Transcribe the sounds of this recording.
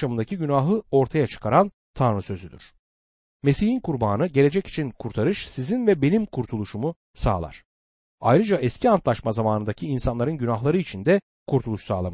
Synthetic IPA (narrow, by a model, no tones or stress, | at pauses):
ʃamɯnd̪acʰiɟynaɦɯo̞ɾt̪ʰajat͡ʃʰɯ̥kʰaɾan | t̪ʰanɾɯsø̞zyd̪y̰ɾ̥ | me̞sihinkuɾbaːnɯɟe̞le̞d͡ʒɛci̥t͡ʃʰinkʰuɾt̪ʰaɾɯʃsizinvɛbe̞nimkʰuɾt̪ʰulˠuʃumu | sa̰ːlˠa̰ɾ̥ | ajɾɯd͡ʒaʔɛscʰiant̪lˠaʃmazamaːnɯnd̪acʰiːnsanlˠaɾɯnɟynaɦlˠaɾɯit͡ʃʰind̪ɛ | kʰuɾt̪ʰulˠuʃsaːlˠam